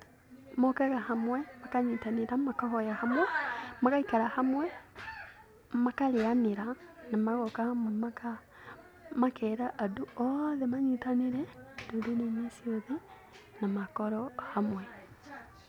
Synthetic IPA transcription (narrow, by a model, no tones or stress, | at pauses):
mokɛɣahamwɛmakaɲitaniɾamakahɔjahamwɛmakaikaɾahamwɛ | makalianeɾanamaɣɔkahamwɛmaka | makʰɛɾaʔːduɔðɛmaɲitaniɾɛdodonenisiɔðɛ | namakɔɾɔhamwɛ